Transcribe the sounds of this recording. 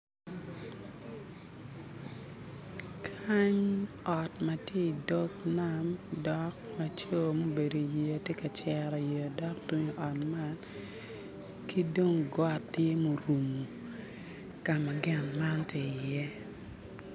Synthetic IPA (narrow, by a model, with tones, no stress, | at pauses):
kʰa˦ɲ | ɔ˨tma˨tje˦i˨do˦kna˦mdɔ˦k̚ma˨t͡ʃo˦mo˦be˨do˨je˨te˦ka˨t͡ʃɛ˨ɾɔ˨je˨dɔ˦k̚tu˦ɲo˨ʔɔ˨tma˦n | ki˦do˦ŋɡɔ˦tːɪ˦mo˨ɾu˨mu˨ | ka˨ma˨ɡɛ˦nma˦ntɪ˨jɛ˦